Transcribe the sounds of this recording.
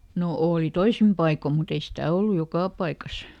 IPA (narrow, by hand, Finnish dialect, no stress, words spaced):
no oːli toisim pɑiko mut ei stæˑ olːu jokɑˑ pɑikɑs